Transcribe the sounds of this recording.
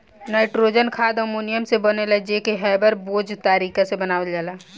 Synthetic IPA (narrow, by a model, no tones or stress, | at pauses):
naɪʈɾod͡ʒənkʰaːd̪əmunijəmsebəneləd͡ʒekeɦɛjbəɾboːd͡ʒt̪aɾiːkasebənaːʋəld͡ʒaːlaː